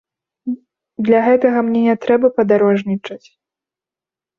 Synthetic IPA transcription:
d̪lʲaɣɛt̪ɐɣɐmnʲɛnʲɛt̪ɾɛbɐpɐd̪aɾɔʐnʲit͡ʂɐt͡sʲ

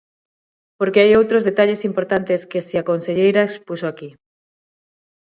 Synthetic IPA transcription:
poɾkeajowt̪ɾozðet̪aʎesimpoɾt̪ant̪eskesiakonseʎejɾaekspusoaki

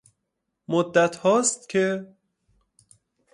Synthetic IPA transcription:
mod̪ːæt̪hɒːst̪̚cʲʰe

